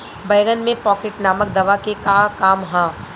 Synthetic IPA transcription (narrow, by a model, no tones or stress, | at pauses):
bɐjɡənmẽpɔːkeʈnaːmək̚d̪ɐʋakekaːkaːmɦãː